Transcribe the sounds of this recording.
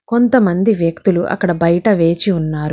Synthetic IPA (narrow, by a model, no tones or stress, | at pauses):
ko̞nt̪ɐmɐnd̪iʋjɐk̚t̪uluʔɐ̰kːɐɽɐbɐjɐʈɐʋe̞ːt͡ʃiunːaːɾu